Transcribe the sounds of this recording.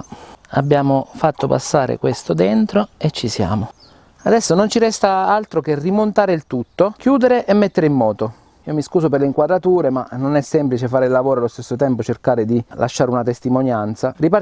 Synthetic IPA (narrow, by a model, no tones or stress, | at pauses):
a̰bːjaːmofat̪ːopa̰sːaːɾḛkwest̪od̪ent̪ɾoet͡ʃːisja̰ːmo | ad̪ɛsːonont͡ʃiɾɛst̪aalt̪ɾokerimont̪aːɾeilt̪ut̪ːokjuːd̪eɾeʔemːet̪ːeɾeimːɔːt̪o | iːomiskuːsoperleiŋkwad̪ɾat̪uːɾemanːonɛsːɛmplit͡ʃefaːɾeilːavoːɾoalːost̪esːot̪ɛmpot͡ʃerkaːɾɪd̪ilʔa̰ʃːaːɾeunat̪est̪imonjant̪saripa